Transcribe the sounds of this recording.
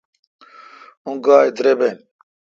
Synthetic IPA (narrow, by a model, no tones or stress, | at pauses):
ũŋɡaːjd̪ɾeben